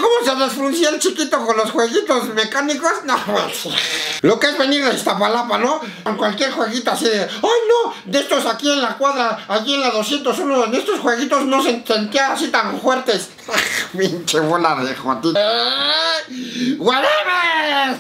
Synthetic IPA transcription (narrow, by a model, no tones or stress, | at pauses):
ko̞moseðesfɾunsielt͡ʃikit̪okonlosxweɣit̪ozmekanikosnaðama̰slo̞keazβe̞niɾðeest̪apalapano | ŋkwalkje̞ɾxwe̞ɣit̪oasiðeajnod̪e̞st̪osakie̞nlakwaðɾaːkienlaðosje̞nt̪osunoene̞st̪osxwe̞ɣit̪o̞zno̞s̬ensent̪iaːsit̪aɱfwe̞ɾt̪es | axmint͡ʃeβolaðexat̪i | ɣwaɾeβes